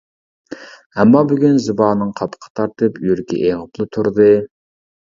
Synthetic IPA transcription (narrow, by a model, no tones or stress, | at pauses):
ɛmːɑbyɡʲynzɨbɑːnɨŋqʰɑpʰə̥qʰɑ̥t̪ʰɑɾt̪ɨpjyɾkʲɛ̰ʔeŋəplˠɨt̪ʰuɾd̪ɨ